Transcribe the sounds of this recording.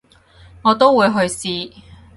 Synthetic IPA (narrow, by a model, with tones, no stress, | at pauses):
ŋɔː˨˧t̪o˥wwuː˨˧jɦɵ˧ɥsiː˧